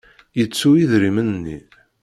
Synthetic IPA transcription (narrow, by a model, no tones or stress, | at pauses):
jət͡sːuiðɾimənnːḭ